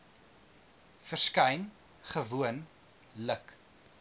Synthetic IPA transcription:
fərskɐjn | χəvuən | lək

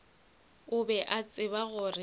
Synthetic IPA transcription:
ʊbɛʔat͡sʼɪβaɣʊrɪ

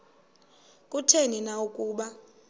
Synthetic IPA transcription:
kʼutʰeninaukʼuːɓa

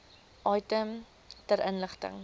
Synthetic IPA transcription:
ʔɐjtəm | təɾənləχtə̰ŋ

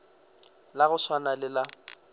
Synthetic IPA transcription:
laɣʊʃwanalɪla

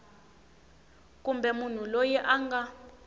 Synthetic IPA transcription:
k̬ʼumbɛmun̤ulojɛʔaŋɡa

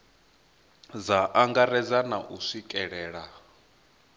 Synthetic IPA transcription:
d͡zaʔaŋɡaɾɛd͡zanaʔuʂikʼɛɺɛːɺa

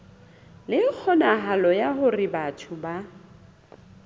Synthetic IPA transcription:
lɪk͡xʰɔnaɦalɔjaɦʊrɪbatʰʊba

